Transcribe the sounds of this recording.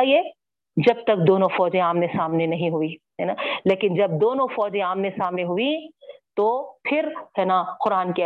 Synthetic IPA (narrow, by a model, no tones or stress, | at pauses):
ie | d͡ʒɐb̚t̪ɐk̚d̪oːnõfɔːd͡ʒẽaːmnesaːmnenɐɦĩɦʊiɦɛːnaːleːkɪnd͡ʒɐb̚d̪oːnõfɔːd͡ʒẽaːmnesaːmneɦʊit̪oːpʰɪɾhɛnaqʊɾaːnke